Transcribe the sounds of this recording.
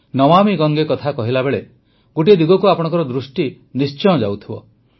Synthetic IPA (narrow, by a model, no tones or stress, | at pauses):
nɔmamiɡɔŋɡekɔt̪ʰakɔɦilabeɭe | ɡoʈ̬id̪iɡɔkuapɔɽɔ̃ŋkɔɾɔd̪ɾusʈi | nist͡ʃɔjɔ̃d͡ʒawt̪ʰibɔ̰